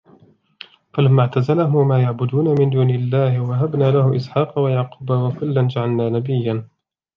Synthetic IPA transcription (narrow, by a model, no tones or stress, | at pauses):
falamːaʕt̪azalaɦʊmmaːjaʕbʊd̪uːnamɪnd̪uːnɪlːaːhɪwaɦabnaːlahʊʔɪsħɑːqɑwajaʕquːbawakʊlːand͡ʒaʕalnaːnabɪjːan